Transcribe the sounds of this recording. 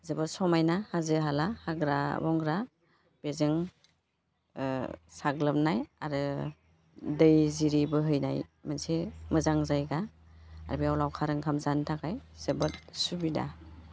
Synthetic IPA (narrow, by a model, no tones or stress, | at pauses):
zəbasɔmajnahazɯɦalahaɡɾabɔŋɡɾa | b̥ezɯŋ | saɡlɯmnajaɾɯ | dɯjziɾibɯɦɯjna̰jmansemɯzaŋzajɡa | aɾbiawlawkʰaɾɯŋkʰamzantʰakajz̥əbat̚subida̰